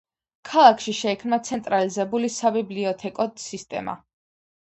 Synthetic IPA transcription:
kʰalˠakʰʃiʃɛikʰmnat̪sʰɛnt̪ʼɾalizɛbulisabibliɔt̪ʰɛkʼɔsist̪ʼɛ̰ma̰

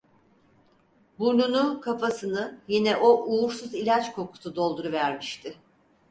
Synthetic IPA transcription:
buɾnunukʰafasɯnɯjinɛʔoʔuːɾsuzilʲat͡ʃkʰo̞kʰu̥t̪ʰud̪o̞lˠd̪uɾuvæɾmiʃt̪ʰɪ

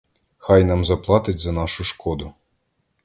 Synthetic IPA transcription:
xajnamzɐplˠɑt̪ɪtʲzɐnɑʃʊʃkɔd̪ʊ

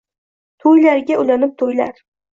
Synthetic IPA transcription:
t̪ʰojlaɾɡʲaʔʊlanɪp̚t̪ʰojla̰ɾ

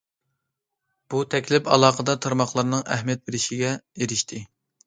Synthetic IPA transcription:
b̥ut̪ʰɛkʲlɪpɑ̰lˠɑːqəd̪ɑt̪ʰɑɾmɑχlˠɑɾnɨŋæhmijɛt̪̚beɾɪʃiɡʲɛeɾɪʃt̪ʰɪ

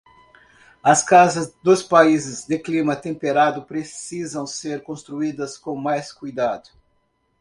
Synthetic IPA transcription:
ɐskazɐzd̪ʊspaizɪzd̪ɪklimɐt̪ẽmpeɾad̪ʊpɾesizɐ̃w̃seɾkõst̪ɾuid̪ɐskõmajskujd̪ad̪ʊ

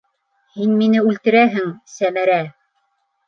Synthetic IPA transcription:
hinminɘʉlt̪ɘ̆ɾæɦɘŋsæmæɾæ

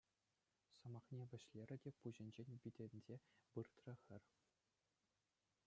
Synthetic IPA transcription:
sɤ̆mɑχnʲeʋʲɘ̆ɕlʲeɾʲɘ̆dʲepuʑɘ̆nʲd͡ʑenʲbʲidʲɘ̆nʲdʲebɯrt̪rɤ̆xʲɘ̆rʲ

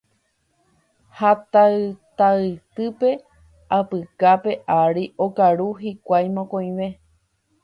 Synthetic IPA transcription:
hat̪aɨt̪aɨt̪ɨpe̞ | apɨkape̞ʔaɾiʔokaɾuɦikʷajmõkõj̃ʋe̞

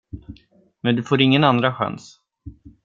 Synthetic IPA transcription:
mɛnd̪ɵfoːɾɪŋːənand̪ɾaɧa̰ns

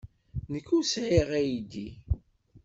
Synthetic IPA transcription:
nəkːusʕiʁæjid̪i

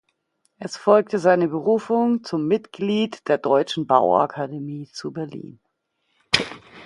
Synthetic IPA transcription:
ʔɛsfɔlk̚təzaɪnəbəʁuːfʊŋt͡sʊmːɪtɡ̥liːtd̥eːɐdɔʏt͡ʃn̩ba̰ʊʔa̰kʰademiːt͡subɛɐlḭːn

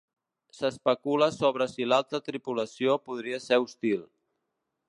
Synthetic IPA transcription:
səspəkuləsoβɾəsilalˠt̪ət̪ɾipuləsiopuðɾiəseust̪ilˠ

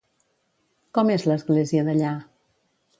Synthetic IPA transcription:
kɔmezləzɣleziəðəʎa

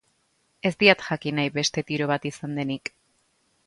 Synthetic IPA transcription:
e̞zd̪iat̪ʝakinajβe̞st̪e̞t̪iɾo̞β̞at̪isand̪e̞nik

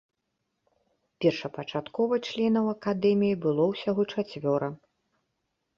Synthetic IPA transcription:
pʲɛrʂɐpɐt͡ʂat̪kɔvɐt͡ʂlʲɛnɐwɐkad̪ɛmʲijibɨlˠɔwsʲaɣɔt͡ʂat͡sʲvʲɔɾɐ

